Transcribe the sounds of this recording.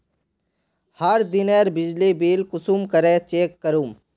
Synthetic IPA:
həɾd̪ɪneːɾbɪd͡ʒlibiːlkʊsuːmkəɾeːt͡ʃeːkːəɾuːm

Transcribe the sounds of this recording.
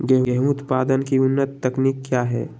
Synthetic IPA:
ɡɛɦəɦmut̪paːd̪ənkiʊnːət̪ːəkniːkːjaːɦɛ̰ː

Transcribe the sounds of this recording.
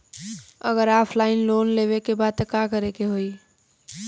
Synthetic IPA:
ə̰ɣəɾapʰlainlonleβekebad̪̚t̪ekakəɾekeɦoi

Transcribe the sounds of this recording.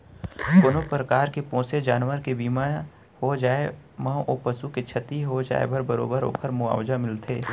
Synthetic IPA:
kʊnopɾəkaːɾkepɔ̃ːsed͡ʒaːnwəɾkebiːma | hod͡ʒaːemɐ̃ʔoːpəsuket͡ʃʰɐt̪iɦod͡ʒa̰ːḛbʱəɾbəɾo̰ːbəɾo̰ːpʰəɾmʊa̰ːwd͡ʒamɪlt̪ʰeː

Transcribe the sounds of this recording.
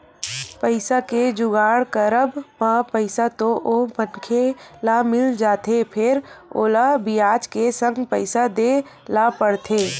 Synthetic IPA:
pəɪsaked͡ʒʊɡaːɽkəɾəbmapəɪsat̪oʔomənkʰelamɪld͡ʒaːt̪epʰɪɾo̰ːlabijaːt͡ʃkesə̃ŋɡpəɪsad̪e | lapəɽt̪ʰeː

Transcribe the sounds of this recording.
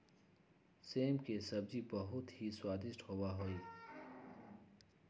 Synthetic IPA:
seːmkesɐbzibəɦʊt̪hiswaːd̪ɪʃʈhoːwaɦoːi

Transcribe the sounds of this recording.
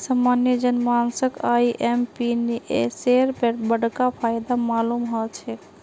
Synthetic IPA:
samːanjəd͡ʒənmansəkʰajiʔempiniʔeseɾpebəɽkapʰajd̪amalumɦɔt͡ʃʰɛ

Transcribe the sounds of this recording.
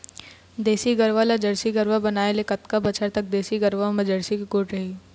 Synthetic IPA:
d̪eːsiɡəɾʋalad͡ʒəɽsiɡəɾʋabɐnaːelekɐt̪kabɐt͡ʃʰəɾt̪ɐk̚d̪eːsiɡəɾʋamɐd͡ʒəɽsikikoːʈɾɐɦi

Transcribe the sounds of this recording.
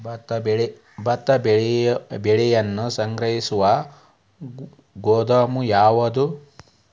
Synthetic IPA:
t̪ | bɐt̪ːɐb | beɭijɐnːusɐŋɡɾɐɦisuʋɐ | ɡoːd̪ɐmujaːʋɐd̪u

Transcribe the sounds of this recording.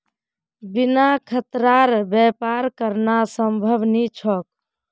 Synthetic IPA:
binakʰət̪ɾaɾbjɛpaɾkəɾnasəmbʱəbnit͡ʃʰɔk̚

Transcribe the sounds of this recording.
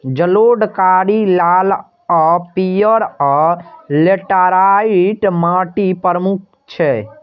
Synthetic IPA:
d͡ʒəloɖkaɾilal | ɔpijəɾɔleʈaɾaiiʈmaʈipəɾəmuk̚ʰ | t͡ʃʰɛ

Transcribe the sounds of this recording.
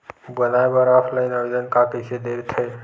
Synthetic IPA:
bənaebəɾapʰlaɪnəd̪ənkakəsed̪eɾt̪ʰə

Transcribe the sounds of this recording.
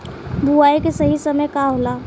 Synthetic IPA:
bʱuaikesəɦisəməjkaɦola

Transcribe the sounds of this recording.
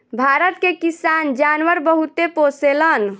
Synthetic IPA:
bʱaɾət̪kekisand͡ʒanʋəɾbəɦut̪eposelən

